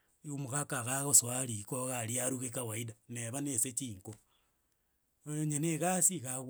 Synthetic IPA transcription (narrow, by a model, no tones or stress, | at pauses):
iumuɣakaɣaɣoswaɾikoɣaliaɾuɣekawaidaneβaneset͡ʃiːŋko | ooɲeneɣasiɣaw